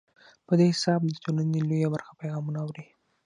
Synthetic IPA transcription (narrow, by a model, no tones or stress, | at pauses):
pəd̪ehɪsɑb̚d̪ət̪onənelojabaɾxḁpajɣɑmunaːwɾi